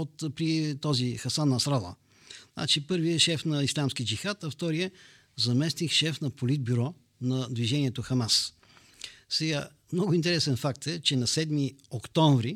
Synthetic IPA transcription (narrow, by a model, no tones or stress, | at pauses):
ot̪pɾit̪ɔzixɐsanːɐsɾalˠə̰ | zna̰t͡ʃipɤɾviɛʃɛfnɐislʲamskid͡ʒixat̪ɐft̪ɔɾiɛ | zɐmɛst̪ixʃɛfnɐpolid̪̚byɾɔ | nɐd̪viʒɛniɛt̪oxɐmas | sɛɡa | mnɔɡʊint̪ɛɾɛsɛnfakt̪ɛt͡ʃɛnɐsɛd̪miokt̪ɔ̃ɱvɾi